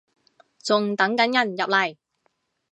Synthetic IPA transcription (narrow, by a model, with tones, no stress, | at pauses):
t͡sʊ˨ŋt̪ɐ˨˥ŋkɐ˨˥njɐ˨˩njɐ˨p̚lɐ˨˩j